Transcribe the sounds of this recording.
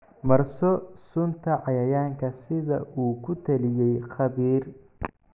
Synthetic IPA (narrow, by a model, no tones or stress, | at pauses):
mɐrsɔsʊnt̪ʰɐʕɑjɐjaːŋkʰɐsɪðɐʔuːkʰʊt̪ʰɐlɪjɛjχɑβiːr